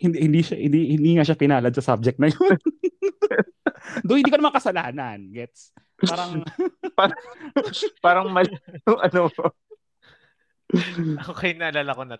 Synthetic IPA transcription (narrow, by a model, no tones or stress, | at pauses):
hɪnd̪ɛhɪnd̪iʃahɪ̰d̪ihɪnd̪iːŋaʃapɪnaːlɐd̪sɐsa̰b̚d͡ʒɛk̚t̪nɐjon | d̪oŋhɪnd̪iːkoɐmaŋkɐsɐlaːnɐnɡɛt̪s | paːɾɐŋpa | paːɾɐŋmɐljoŋʔɐno | ɐkokɐjnɐʔɐlalɐkonɐ